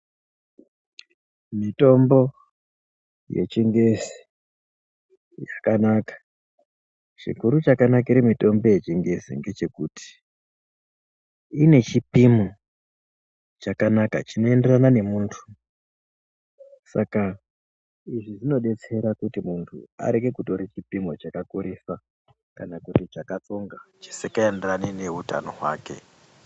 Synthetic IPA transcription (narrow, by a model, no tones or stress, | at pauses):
mito̞mbo̞ | je̞̰t͡ʃiŋɡe̞zi̥ | jakanakḁ | t͡ʃḭkuɾut͡ʃakanak̬iɾemito̞mbo̞je̞t͡ʃiŋɡe̞sḭŋɡe̞t͡ʃe̞kutʰi̥ | ine̞t͡ʃipimu | t͡ʃakanaka̰t͡ʃino̞e̞nderanane̞muːntʰu̥ | sa̰ka | iʐiʐino̞ɗe̞t͡se̞ɾakutimuntʰṵa̰ɾe̞ɡe̞kuto̞ɾet͡ʃipimot͡ʃakakuɾisa | kanakutit͡ʃakat͡so̞ŋɡat͡ʃi̥sekaenderanene̞uta̰no̞̰ɦwa̰ːke̞̰